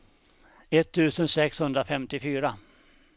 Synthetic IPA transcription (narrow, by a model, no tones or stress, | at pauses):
ɛt̪ʰːʉ̟ːsənsɛkshɵnd̪ɾafɛmt̪ɪfyːɾa